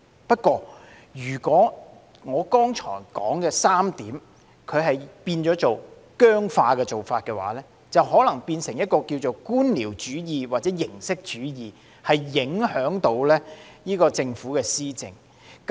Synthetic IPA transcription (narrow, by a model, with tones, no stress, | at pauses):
pɐ˥t̚kʷɔː˧ | jyː˨˩kʷɔː˨˥ | ŋɔː˨˧kɔː˥ŋt͡ʃʰɔ̰ː˨˩jkɔ̰ː˨˥ŋkɛː˧saː˥mt̪iː˨˥m | kʰɵ˨˧ɥɦɐ˨jpiː˧nt͡ʃɔː˨˥t͡so˨w | kœː˥ŋfaː˧kɛː˧t͡so˨˩wfaː˧t̚kɛː˧wa̰ː˨˥lɛː˥ | t͡sɐ˨wɦɔː˨˥lɐ˨˩ŋpiː˧nsɪ˨˩ŋjɐ˥t̚kɔː˧kiː˧wt͡so˨wkuː˥nliː˨˩wt͡ʃyː˨˥jiː˨waː˨t̚t͡sɛː˨˥jɪ˨˩ŋsɪ˥k̚t͡ʃyː˨˥jiː˨ | hɐ˨jːɪ˨˥ŋhœː˨˥ŋt̪o˨˧˥wlɛː˥jiː˥kɔː˧t͡sɪ˧ŋfuː˨˥kɛː˧siː˥t͡sɪ̰˨ŋ | k